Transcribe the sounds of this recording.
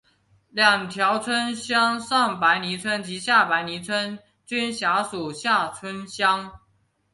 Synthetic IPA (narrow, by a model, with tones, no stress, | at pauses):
ljɑ˨˩ŋt̪ʰjɑ˧˥ʊt͡sʰwə˥nɕjɑ˥ŋsɑ˥˩ŋpa˧˥ɪni˧˥t͡sʰwə˥nt͡ɕi˧˥ɕja˥˩pa˧˥ɪni˧˥t͡sʰwə˥n | t͡ɕy˥nɕja˧˥su˨˩ɕja˥˩t͡sʰwə˥nɕjɑ˥ŋ